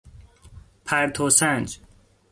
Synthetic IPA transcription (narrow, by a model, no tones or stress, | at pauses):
pʰæɾt̪ʰosænd͡ʒ